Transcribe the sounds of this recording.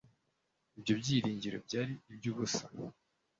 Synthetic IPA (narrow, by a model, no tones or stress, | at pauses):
ibɟo̞bɟiːɾiːɲɟiɾo̞̰b̚ɟaːɾiːbɟuβusa